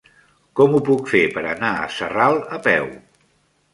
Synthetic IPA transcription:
kɔmupukfepəɾənaə̰səralˠəpɛw

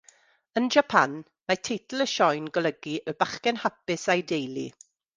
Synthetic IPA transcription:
ənd͡ʒapʰan | matʰejtʰl̩ˠəʃɔjnɡɔlˠəɡiʔəbaχkɛnhapɪsajdejlˠḭ

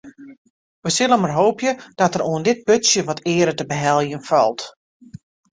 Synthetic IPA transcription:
ʋəsɪlˠənmarɦoːpjəd̥ɔtəruəndɪt̚pøtsjəʋɔtʰɪːəɾətəbəɦɛlˠjənfɔ̰lˠt

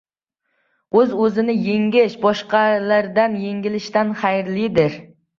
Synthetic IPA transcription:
ɵzɵzɪnɪjeŋʲɪʃbɒʃqɑlaɾd̪anjeŋʲɪlɪʃt̪anχajɾlɪd̪ɪɾ

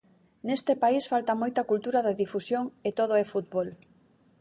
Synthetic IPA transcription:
nest̪ɪpaisfalt̪ɐmojt̪ɐkult̪uɾɐðɐðifusjoŋet̪oð̞oɛfut̪̚bol

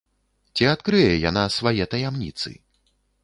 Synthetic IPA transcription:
t͡sʲiat̪kɾɨjɛjanasvajɛt̪ɐjamnʲḭt̪sɨ̰

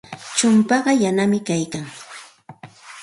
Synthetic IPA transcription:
t͡ʃʊmpɑɢɑjanamɪkajkaŋ

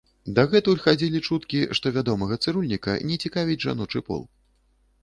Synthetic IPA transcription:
d̪ɐɣɛt̪ulʲxad͡zʲilʲit͡ʂut̪kʲiʂt̪ɔvʲad̪ɔmɐɣɐt̪sɨɾulʲnʲikɐ̰nʲɛt͡sʲikavʲid͡zʲʐa̰nɔt͡ʂɨpɔ̰lˠ

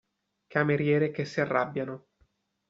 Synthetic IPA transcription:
kameɾjɛːɾekesːiarːabːjano

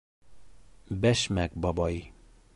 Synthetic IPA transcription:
bɛʃmɛɡbɒbɒji

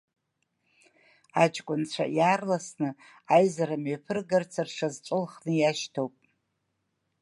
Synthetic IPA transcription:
at͡ʃʼkʷʼʊnt͡ɕʷʰa̰jaːrlasnɨ | ajzaɾamɥepʰɨrɡart͡sʰarʂazt͡ʃʷʼɨlχnɨjaʃtʰowpʼ

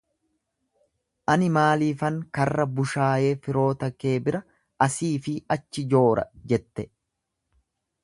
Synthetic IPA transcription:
ʔɐnɪmaːliːfɐŋkɐrːɐbʊʃaːje̞ːfɪɾo̞ːt̪ɐke̞ːbɪɾɐ | ɐsiːfɪɐt͡ʃːɪd͡ʒo̞ːɾɐ̰d͡ʒɛt̪ːɛ

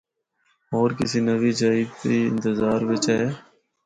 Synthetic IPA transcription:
oːɾkɪsiːnəʋiːd͡ʒaːiːd̪t̪iːɪ̰̃nt̪ɪzaːɾʋɪt͡ʃɛː

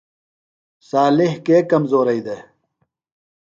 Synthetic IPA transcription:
saːlihkeːkɐmzoːɾɐid̪e

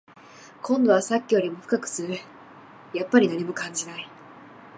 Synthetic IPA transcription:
kʰõ̞nd̪o̞βasakʲːijo̞ɾʲimo̞ɸɯ̟̥kakɯ̟̥sɨɾɯ̟ | japːaɾʲinaɲ̟imo̞kãɲ̟d͡ʑinai

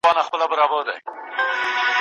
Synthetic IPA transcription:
ɑnaxpəlabəɾɑbəɾd̪a̰j

